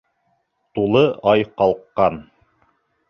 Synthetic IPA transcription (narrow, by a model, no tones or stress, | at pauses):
t̪ulˠɤʔɑjqɑlˠqːɑn